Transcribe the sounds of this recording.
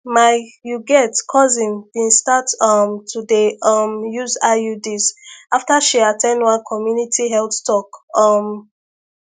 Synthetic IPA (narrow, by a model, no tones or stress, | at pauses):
majuɡɛtkʰɔzĩndĩnstatʌmtʰudeʌmjuzajudizaftaʃiatʰɛ̃ndwãnkʰɔmjunitʰiɦɛltstʰɔkɔm